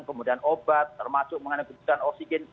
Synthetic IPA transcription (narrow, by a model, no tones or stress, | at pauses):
ŋkəmudianobat̪ːərmasʊk̚məŋanakəbut̪uanoksiɡɛn